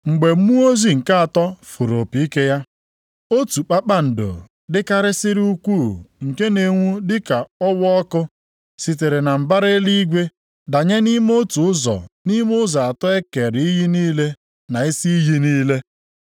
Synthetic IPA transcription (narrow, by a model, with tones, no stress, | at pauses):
ŋ͡m̩˨ɡ͡be˨˦mu˦o˦zi˦˨ŋ̩˨ka˦a˨tɔ˦fu˨ɾo˨pi˨i˦ke˦ja˦ | o˦tu˨k͡pa˦k͡pa˦n̩˨do̰˨ | dɪ˦ka˦ɾɪ˦sɪ˦ɾu˦kʷu˦˨ŋ̩˨ke˦ne˨ŋʷu˦dɪ˦ka˨ɔ˦wɔ˦ɔ˦kʊ˦ | si˨t̬e˨ɾe˨na˨m̩˨ba˦ɾe˦li˦ɡʷe˦ | da˨ɲe˦ni˦m˦o˦tu˨ʊ˦zɔ̰˨ni˦mʊ˦za˨a˨tɔ˦e˦ke˨ɾi˦ji˦niː˦le˦ | na˨i˦si˦i˦ɦi˦niː˦le˦